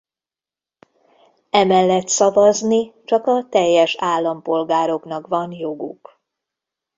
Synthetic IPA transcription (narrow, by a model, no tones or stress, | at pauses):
ɛmɛlːɛt̪sɒvɒznit͡ʃɒkɒt̪ɛjːɛʃaːlːɒmpo̞lɡaːɾo̞knɒkvɒnjoɡṵk